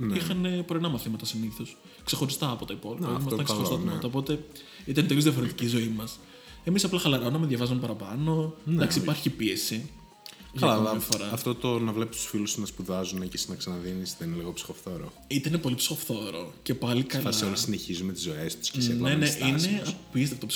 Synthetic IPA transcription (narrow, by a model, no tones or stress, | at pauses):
nixɐne̞poɾinɐmɐθimɐt̪ɐsiniθo̞s | kse̞xo̞ɾist̪ɐːpo̞t̪ɐipo̞lipɐimɐst̪ɐkseɾssɐimɐt̪ɐopo̞t̪e̞ | it̪ɐnt̪elozðiɐfo̞ɾe̞t̪icizo̞imɐs | e̞misɐplɐxɐlɐɾonɐmeðʝɐvɐzunpɐɾɐpɐno̞nd̪ɐksipɐɾçipie̞si | ʝɐllɐɐfoɾɐɐft̪o̞t̪onɐvle̞pist̪u̥sfilust̪unɐspuðɐzunecesnɐksɐnɐðinisðeineliɣo̞psi̥xo̞fθoɾo̰ | it̪einepo̞lipsi̥xo̞fθo̞ɾo̞ce̞pɐlikɐlseolisineçizumet̪izo̞e̞st̪u̥scesneneʔineɐpiest̪ɐft̪ops